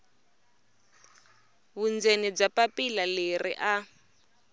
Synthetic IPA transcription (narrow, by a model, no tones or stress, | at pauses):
βund͡zenib͡ʐapapilalerḭʔa